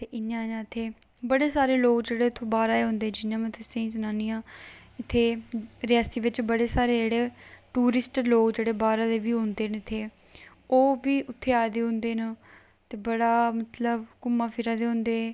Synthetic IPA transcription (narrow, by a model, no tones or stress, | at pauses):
t̪eːʔɪnːãːjãːt̪ʰeː | bəɽeːsaːɾeːloːkd͡ʒeːɽeːʊt̪ʰːõːbaːɾaːeːɦʊ̃nd̪eːd͡ʒɪnjãːmə̃t̪ʰesẽĩːt͡ʃənaːnɪjãː | ɪt̪ʰːeːɾɪjaːst̪iːʋɪt͡ʃbəɽeːsaːɾeːd͡ʒeːɽeːʈuːɾɪsʈloːkd͡ʒeːɽeːbaːɾaːd̪eːʋiːɦʊ̃nd̪eːnɪt̪ʰːeː | oːbiːʔʊt̪ʰːeːaːd̪eːɦʊ̃nd̪eːn | t̪eːbəɽaːmət̪ləbkʊmãːpʰɪɾaːd̪eːɦʊ̃nd̪eː